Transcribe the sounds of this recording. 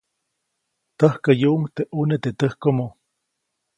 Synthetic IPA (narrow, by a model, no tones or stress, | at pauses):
t̪əhkəjuʔŋt̪eʔunet̪et̪əhkomo